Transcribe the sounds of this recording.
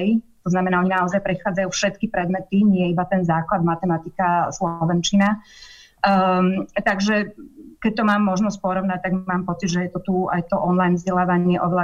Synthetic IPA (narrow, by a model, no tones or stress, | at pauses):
jt̪ɔznamɛnaːɔɲinaɔzajpɾɛt̪xaːd͡zajuːfʃɛt̪kipɾɛd̪mɛt̪iɲɪɛjɛibat̪ɛnzaːklad̪mat̪ɛmat̪ikaslɔʋɛnt͡ʃina | t̪aɡʒɛkɛc̚t̪ɔmaːmːɔʒnɔs̬c̚pɔɾɔʋnac̚t̪aɡmaːmpɔt͡sid̪ʒɛjɛt̪ɔt̪ua̰jt̪ɔʔɔnlajnvzɟɛlaːʋaɲɪɛʔɔʋɛla